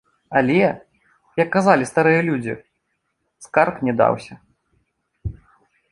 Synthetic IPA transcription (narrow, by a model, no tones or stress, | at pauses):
alʲɛ | jɐkːazalʲist̪aɾɨjɐlʲud͡zʲḭ | skarknʲɛd̪a̰wsʲɐ